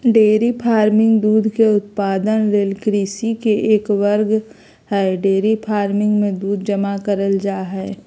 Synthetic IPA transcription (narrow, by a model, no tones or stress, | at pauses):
ɖeːɾipʰaːɾmɪ̃ŋɡd̪uːd̪ʱkeʊt̪paːd̪ənɾeːlkɾiːsikeʔeːkʋəɾɡ | ɦɛɖeːɾipʰaːɾmɪ̃ŋɡmẽd̪uːd̪ʱd͡ʒɐmakəɾəld͡ʒaːɦɛː